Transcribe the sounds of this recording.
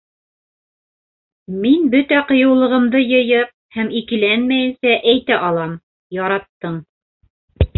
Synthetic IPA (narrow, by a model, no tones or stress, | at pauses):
minbɵt̪æqɤ̆jɤ̆wlˠɤ̆ʁɤ̆md̪ɤjɤ̆jɤp̚hæmikɘ̆lænmæjɘ̆nsæʔæjt̪æʔɑlˠɑm | jɑɾɑt̪ːɤɴ